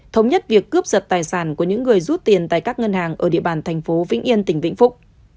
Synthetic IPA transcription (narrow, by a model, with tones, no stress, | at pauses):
t̪ʰə˨˦wŋ͡mɲə˦˥t̚vi˨˩əkːɨ˦˥əp̚zə˨˩t̚t̪aː˨˩jsaː˧˩nku˧˩əɲɨ̰˧˥ŋːɨ˨˩əjzu˦˥t̚t̪i˨˩ənt̪a̰ː˧˨jkaː˦˥k̚ŋə˧nhaː˨˩ŋʔəː˧˩ɗḭ˧˨əɓaː˨˩nt̪ʰɛ˨˩jŋ̟fo˨˦vḭ˧˥ŋʔi˧ənt̪ï˧˩ŋ̟vḭ˧˥ŋ̟fʊ˦˥k͡p̚